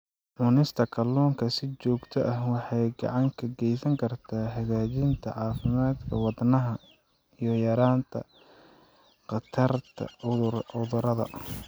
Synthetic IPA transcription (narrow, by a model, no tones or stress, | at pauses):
ʕʊnɪst̪ʰɐkʰɐlːɔːŋkʰɐsɪt͡ʃɔːɡt̪ʰɔʔɐhwɑħɑjɡɑ̰ʕɑŋkʰɐɡɛjsɐŋkʰɐrt̪ʰaːhɐɣaːt͡ʃɪnt̪ʰɐ̰ʕɑːfɪmaːd̪kʰɐwɑd̪nɐɦɐ | ijɞjɐɾaːnt̪ʰɐ̰ | qɑt̪ʰɐrt̪ʰɐ̰ʊðʊɾɐðɐ̰